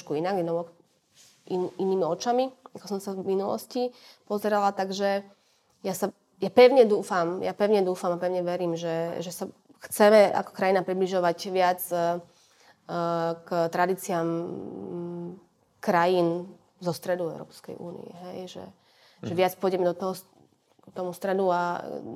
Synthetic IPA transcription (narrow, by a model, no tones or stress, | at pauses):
ʃkuinaɡɛnɔɔ | iiniːmiɔt͡ʃamiakɔsɔmsavminulɔ̰scipɔzɛɾalat̪aɡʒɛ | jasa | japɛʊɲɛd̪uːfamjapɛʊɲɛd̪uːfamapɛʊɲɛʋɛɾiːmʒɛʒɛsa | xt͡sɛmɛa̰kɔ̥kɾajinapɾibliʒɔʋaɟʋɪad͡z | kt̪ɾad̪iːt͡siam | kɾajiːn | zɔst̪ɾɛd̪uvɛ̰ʊɾɔ̰ːpskɛ̰jʔṵːnḭɛ̰ɦɛjʒɛ̰ | ʒɛʋɪat͡spɔjɟɛmɛd̪ɔt̪ɔɦɔ | t̪ɔmust̪ɾɛd̪ua